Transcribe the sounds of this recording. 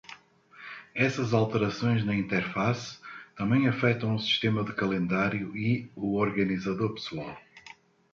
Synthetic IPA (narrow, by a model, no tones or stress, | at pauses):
ɛsɐzalˠt̪əɾɐsõj̃znɐĩnt̪ɛɾfast̪ɐ̃mbẽj̃ɐfɛt̪ɐ̃w̃usi̥ʃt̪emɐðɨkɐlẽnd̪aɾjuiuoɾɣɐnizɐðoɾpɨ̥suaw